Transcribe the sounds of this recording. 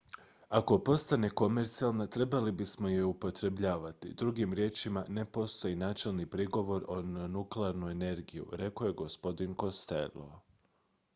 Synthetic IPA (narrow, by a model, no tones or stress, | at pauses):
ako̞po̞st̪ane̞ko̞me̞ɾt̪sijalˠnat̪ɾe̞balibismo̞jeupo̞t̪ɾe̞bʎaːʋat̪ḭd̪ɾuɡimɾje̞ːt͡ʃimane̞po̞st̪o̞jinaːt͡ʃe̞lˠnipɾiɡo̞ʋo̞ɾo̞nnuklˠeaɾnue̞ne̞ɾɡijṵɾe̞ko̞je̞ɡo̞spo̞d̪inko̞st̪e̞̰lːo̰